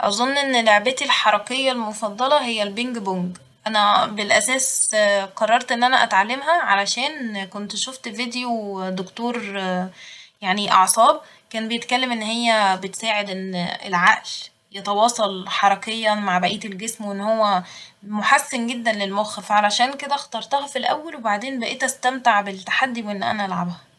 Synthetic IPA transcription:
ʔɑ̰zˤonːʔenːloʕbæt̪ilħɑɾˤɑkejːɑlmofɑd̪ˤːɑlɑhejːælbeŋɡboŋɡ | ʔænæbelʔæsæːsqɑrˤːɑɾˤt̪ʔenːʔænæʔæt̪ʕalːemɦæʕalæʃæːnkont̪ʃoft̪vid̪ejod̪okt̪oːɾˤ | jaʕniʔɑ̰ʕsˤɑːb | kæːnbejet̪kælːemʔenːhejːæbet̪saːʕed̪ʔenːḛlʕaʔʃ | jet̪ɑwɑːsˤɑlħɑɾˤɑkejːæmaʕbæʔiːt̪elɡesmwʔenːhowːæmoħasːenɡed̪ːænlelmoxfʕalæʃæːnked̪æxt̪ɑɾˤt̪ˤɑhɑfilʔæ̰wːælwebaʕd̪eːnbæʔeːt̪æst̪æmt̪eʕbelt̪ːḁħad̪ːiwʔenːʔæ̰næʔælʕabhæ

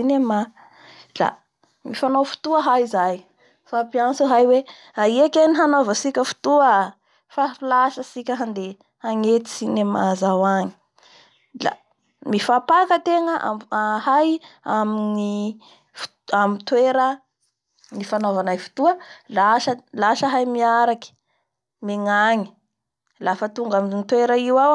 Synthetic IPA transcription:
inema | la̰ | mifanowfu̥t̪uəɦajzaj | fapiansəɦajwe | aiekʲeniɦanovəsikʲəfu̥t̪uə | fafilaʃəsikʲəɦand̪e | aŋet̪i̥sinemazawaɲi̥ | la̰ | mifapakət̪eŋəʔa̰ahajamini | f | amit̪weɾə | nifanovanajfu̥t̪uəlaʃəlaʃəɦajmiaɾaki̥ | meŋaŋi̥ | lafət̪uŋɡaminit̪weɾəiwaw

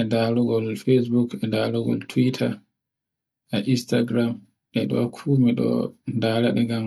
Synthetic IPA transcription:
ɛndaluɡɔlfes̬bukɛndaluɡɔ̰ltʰwitʰa | ʔɛʔistaɡɾam | ʔɛɗɔkʰuːmiɗɔ̰ndaːlaɗɛɡam

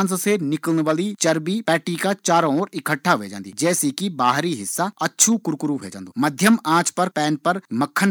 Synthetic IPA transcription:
nssenɪkəlnʋaːlit͡ʃɐɾbipɛːʈikat͡ʃaːɾ̃oːɾɪkʰəʈʰːaʋḛːd͡ʒãːnd̪ḭd͡ʒɛːsikibaːɦɾiɦɪsːaɐtːʃʰukʊɾkʊɾubʱḛːd͡ʒã̰ːnd̪omɐd̪ʱjəmãːt͡ʃpɐɾpɛːnpɐɾmɐkʰːən

